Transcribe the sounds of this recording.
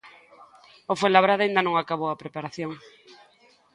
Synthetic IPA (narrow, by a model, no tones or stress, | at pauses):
ofelaβɾaðaind̪anõŋakaβowapɾepaɾaθjoŋ